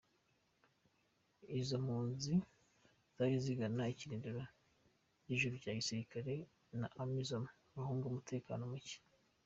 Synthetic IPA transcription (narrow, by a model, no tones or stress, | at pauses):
izamuːnzi | z̥aɾiziɡanaiciɾindiɾa | ɟiʒuɾuɟaːɟisiɾikaɾe̞ | na̰ʔamizamo | βahuːŋɡumutʰe̞ːka̰ːnomuci̥